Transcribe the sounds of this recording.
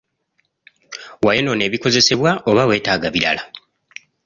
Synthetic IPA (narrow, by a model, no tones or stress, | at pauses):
wajeno̞ne̞ːβiko̞ze̞se̞βwaʔo̞βawe̞ːtaːɡaβiɾa̰la